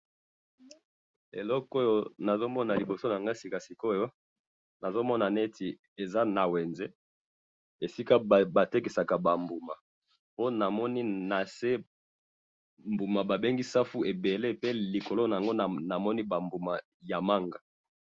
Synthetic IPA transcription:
ḛ˨lɔ˦ko˦jo˦na˨zo˦mɔ˦na˨li˨bo˨so˦na˨ŋɡa˦si˦ka˨si˨ko˦jo˦ | na˨zo˦mɔ˦na˨ne˦tʰi˨ | e˨za˦na˨we˨nze˦ | e˨si˦ka˦˨ba˨te˦ki˨sa˨ka˨ba˨mbu˨ma˨ | po˦na˨mɔ˦ni˦na˨se˦ | mbu˨ma˨ba˨be˦ŋɡi˦sa˦fu˦e˨be˨le˦pe˦li˨ko˨lo˦na˨ŋɡo˦˨na˨mɔ˦ni˦ba˨mbu˨ma˨ | ja˨ma˦ŋɡa˨

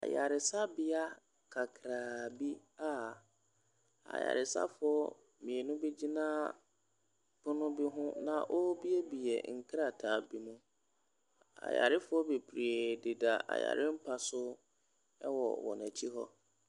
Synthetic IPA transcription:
a̰˨ja˨ɾɪ˨sa˦bɪ˦a˦ | kʰa˨kʰɾaː˨bi˦ | a˨ | a̰˨ja̰˨ɾɪ˨sa̰˦fʊ˨˦ɔ˦ | mĩ˨ɛ˨nʊ̃˦be˦d͡ʑi˦nãː˦ | pʰʊ˦nʊ̃˦bi˦ɦʊ̃˦nã̰˨ʔɔ˦bi˦ɛ˦bi˨ɛ̰˨ŋ̩˨kʰɾa˨tʰaː˨˦bi˦mũ˦ | a̰˨ja̰˨ɾɪ˦fʊ˨˦ɔ˦be˨pʰɾi˨e˨dɪ˨da˨a̰˨ja̰˨ɾɪ˦m̩˦pʰa˨sʊ˦ | ɛ˦wɔ̰˨wɔ̰̃˨næ˨t͡ɕʰi˦ɦɔ˦

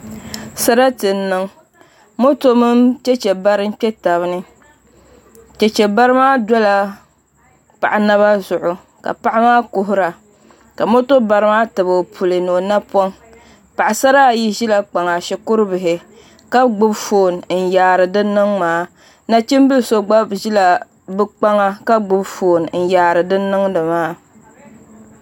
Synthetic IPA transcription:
sa˦ɾa˦tɨ˨nːɨ˦ŋ | mo˦to˦mɨ˦mt͡ʃɛ˦t͡ʃɛ˨ba˦ɾɨ˦m˦k͡pʲɛ˦ta˨βɨ˦nɨ˦ | t͡ʃɛ˨t͡ʃɛ˨ba˦ɾɨ˦maː˦dɔ˦la˨ | pa̰˨ʔa˨na˦βa˦zʊ˨ʔʊ˨ | ka̰˨pa˦ʔa˦maː˦kʊ˨ɦʊ˦ɾa˨ | ka˨mo˦to˦ba˨ɾɨ˦maː˦tɨ˨bo˨pʰu˨lɨ˨no˨na˦pɔ˦ŋ | pa˨ʔa˨sa˦ɾa˦˨ji˦ʒi˦la˦k͡pa˨ŋa˨ʃɛ˨kʊ˦ɾɨ˦bɨ˨ɦɪ˨ | ka˦ɡ͡bʊ˦bfoː˨n˨n̩˨jaː˨ɾɨ˨dɨ˦nːɨ˦ŋmaː˨˦ | na˦t͡ʃi˦m˦bɨ˦˨so˦ɡ͡ba˦bʒi˦la˨ | bɨ˦k͡pa˦ŋa˦ka˦ɡ͡bʊ˦bfoː˨n˨n̩˨jaː˨ɾɨ˨dɨ˦nːɨ˦ŋdɨ˨maː˦

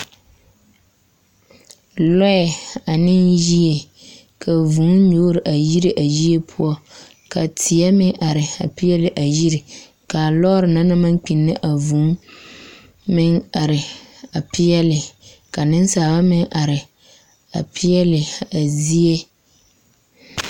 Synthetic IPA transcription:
lɔ˦ɛ˨a˨nɪ˦nʒi˦e˨ | kʰa˨vu˨˦ɲoː˦ɾɪ˨ʔa˨ji˦ɾɪ˨ʔa˨ji˦e˦pʰʊ˦ɔ˦ | ka˨tʰɪ˨ɛ˦mɪ˦ʔa˨ɾɪ˨a̰˨pi˦jɛ˦lɪ˨ʔa˨ji˦ɾɪ˨ | ka˨lɔ˦ɾɪ˨na˦na˦ma˦ŋ˦k͡pi˨nːɪ˦ʔa˨vu˨˦ | mɪ˦ŋa˨ɾɪ˨a˨pɪ˦jɛ˦lɪ˨ | ka˨nɪ˦n˦saː˨βa˦mɪ˦ŋʔa˨ɾɪ˨ | a˨pʰɪ˦ɛ˦lɪ˨a˨zi˦e˦

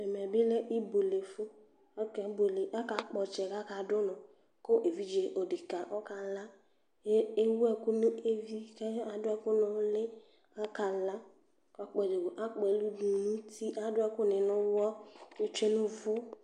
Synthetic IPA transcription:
ɛ˨m˨ɛ˨bɪ˦le˦ʔi˦bo˨le˨fʊ˦ | kɛ˨˦bo˨le˨ʔa˦ka˨˦k͡pɔ˨t͡ʃɛ˨ka˦ka˨dʊ˦nʊ̃˨ | ko˦ʔe˨vi˦d͡ʒe˨ʔo˨di˨ka˨ʔɔ˦ka˨la˦ | e˦wu˦ɛ˨kʊ˦nu˦e˦vi˦kɛ˦a˨dʊ˦ɛ˦kʊ˦nʊ˨˦lɪ˦ | a˦ka˨la˦ | kɔ˨˦k͡pɔ˨d͡ʒe˨ɡo˨ʔa˦k͡pɛ˨˦lu˦du˨nu˦ti˦ʔa˦dʊ˦ɛ˦kʊ˦˨nɪ˨nʊ˦wɔ˦e˦t͡ʃe˦nʊ̃˦vʊ˦

